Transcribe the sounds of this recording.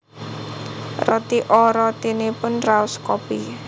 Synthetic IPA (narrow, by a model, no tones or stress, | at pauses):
rɔt̪iʔɔɾɔt̪inepʊnraʊskɔpi